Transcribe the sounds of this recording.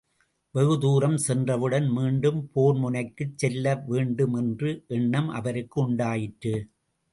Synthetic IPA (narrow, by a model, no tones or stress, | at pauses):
ʋɛɣɯðuːɾɐmsɛndrɐʋɯɽɐnmiːɳɖɯmpoːɾmʊnɐɪkːɯt͡ʃːɛlːɐʋeːɳɖɯmɛndrɯʔɛɳːɐmʔɐ̰ʋɐɾɯkːɯʊɳɖaːjɪʈrɯ